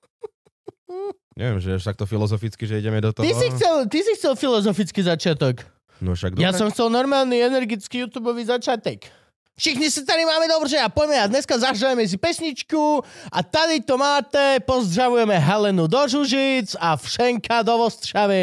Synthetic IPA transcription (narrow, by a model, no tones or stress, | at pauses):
ɲɛ̰ʋɛ̰mʒɛaʃt̪ak̚t̪ɔfilɔzɔfit͡skiʒɛiɟɛmɛd̪ɔt̪ɔisixt͡sɛlt̪isixt͡sɛlfilɔzɔfit͡skizat͡ʃɪat̪ɔk | nɔ̰ʃa̰ɡd̪jassɔmxt͡sɛlnɔɾmaːlniɛnɛɾɡit͡skijuːt̪juːbɔʋizat͡ʃɪat̪ɔk | fʃixɲisit̪aɾimaːmɛd̪ɔbɾʒɛapɔjmɛad̪ɲɛskazaɦʒaʋɛmɛs̬ipɛsɲit͡ʃkuat̪ad̪it̪ɔmaːt̪ɛpɔzd̪ɾaʋujɛmɛɦɛlɛnud̪ɔʒuʒit͡safʃɛŋkad̪ɔʋɔst̪ʃaʋi